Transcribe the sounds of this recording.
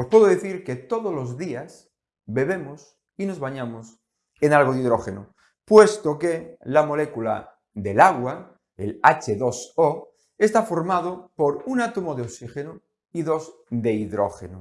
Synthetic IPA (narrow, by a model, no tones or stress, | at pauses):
ospweðoðeθiɾke̞t̪o̞ðolo̞zðias | be̞β̞e̞mos | ino̞zβaɲamos | enalɣoðiðɾo̞xḛno | pwe̞st̪okelamo̞le̞kula̰ | ðe̞laɣ̞wa | ḛlat͡ʃeðo̞so | e̞st̪afo̞ɾmað̞opo̞ɾunat̪omoðeoksixeno | iðo̞z | d̪e̞iðɾo̰xeno